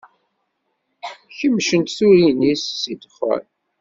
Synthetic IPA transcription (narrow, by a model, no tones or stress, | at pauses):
çəmːʃənt̪θuɾinisːid̪χə̰ɾ